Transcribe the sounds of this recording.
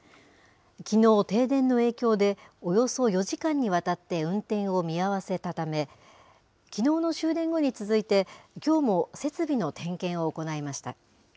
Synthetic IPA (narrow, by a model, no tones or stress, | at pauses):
kʲino̞ːt̪e̞ːd̪ẽ̞nːo̞e̞ːkʲo̞ːd̪e̞ojo̞so̞jo̞ʑikãɲ̟ːiβ̞at̪at̪ːe̞ɯ̟̃nt̪ẽ̞ɰ̃o̞mʲiaβase̞t̪at̪ame̞ | kʲino̞ːno̞ɕɨːd̪ẽ̞ŋɡo̞ɲ̟it͡sɨzɨit̪e̞kʲo̞ːmo̞se̞t͡sɨbʲino̞t̪ʰẽ̞ŋkẽɰ̃o̞ːko̞naimaɕi̥t̪a̰